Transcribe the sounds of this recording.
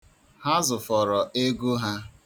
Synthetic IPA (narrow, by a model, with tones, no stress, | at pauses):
ha˦zʊ˨fɔ˨ɾɔ˨ʔe˦ɡu˦ɦa˦